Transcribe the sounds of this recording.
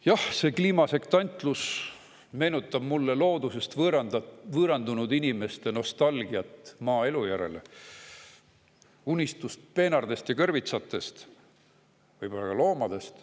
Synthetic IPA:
jɑhse̞ːkliːmɑse̞kt̪ɑnʲt̪ˑlus | me̞ːnut̪ːˑɑb̥mulːe̞lo̞ːd̪use̞st̪vɾvɯːɾɑnd̪unud̪inʲime̞st̪eno̞st̪ɑlɡ̥iɑt̪ːˑmɑːe̞lujæɾe̞̰le | unʲist̪ust̪̚pe̞ːnɑrd̪e̞st̪jɑkɤrvit̪sɑt̪ːˑe̞st̪ | vɯjb̥o̞lːɑkɑlo̞ːmɑd̪̥e̞st̪

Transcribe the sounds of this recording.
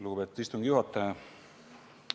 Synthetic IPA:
luːɡubet̪ːist̪uŋɡijuhɑt̪ːɑ

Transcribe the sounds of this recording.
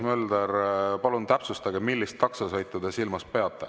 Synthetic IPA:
møld̪erpɑlunt̪æpsust̪ɑɡemilːist̪ːɑksɑsɤjt̪ːˑud̪esilmɑspe̞ɑt̪ːˑḛ

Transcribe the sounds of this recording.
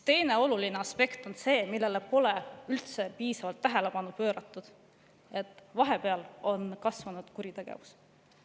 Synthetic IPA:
t̪e̞jne̞o̞lulineɑspe̞kt̪o̞nse̞ːmilːe̞lepo̞leylt̪se̞piːsɑvɑlt̪ːæɦe̞le̞pɑnupø̞ːɾɑt̪ːˑud̪̥ | e̞t̪ːˑvɑɦe̞pe̞ɑlo̞nkɑsvɑnud̪̥kuɾit̪eɡ̥ḛvus

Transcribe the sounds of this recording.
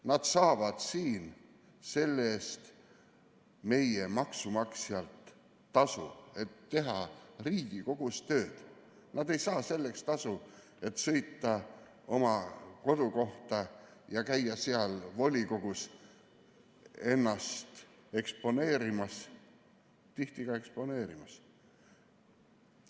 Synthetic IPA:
nɑd̪̥sɑːvɑd̪̥siːn | se̞lːe̞ːst̪ | me̞jemɑksumɑksiɑlt̪ː | ɑsue̞t̪ːe̞ɦɑriːɡ̥iko̞ɡ̥ust̪ø̞ːd̪̥ | nɑd̪e̞jsɑːse̞lːe̞kst̪ɑsu | e̞t̪sɤ̞jt̪ːˑɑ | o̞mɑko̞d̪̥uko̞ht̪ɑjɑkæjːɑsiɑlvo̞lʲiko̞ɡ̥us | e̞nːɑst̪e̞kspo̞ne̞ːɾimɑs | t̪iht̪iɡ̥ɑe̞kspo̞ne̞ːɾimɑs

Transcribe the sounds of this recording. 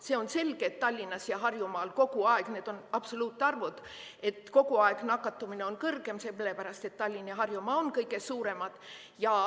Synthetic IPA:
se̞o̞nse̞lɡ̥eːt̪t̪ːɑlʲːinɑsjɑɦɑrjumɑːlko̞ɡuɑeɡ̥ne̞ːd̪̥o̞nɑb̥so̞luːt̪ːˑɑrvud̪̥e̞t̪ːˑko̞ɡuɑeɡ̥nɑkːˑɑt̪ːumine̞o̞nkɤrɡ̥e̞mselːepæɾɑst̪e̞t̪ːɑlʲːinjɑɦɑrjumɑonkɤjɡe̞suːɾe̞mɑd̪̥ | jɑ

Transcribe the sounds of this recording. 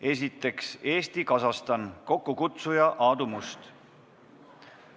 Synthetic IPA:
e̞s̬ʲit̪ːˑe̞kse̞ːst̪ikɑsɑst̪ɑnko̞kːukut̪sujɑʔɑːd̪umust̪

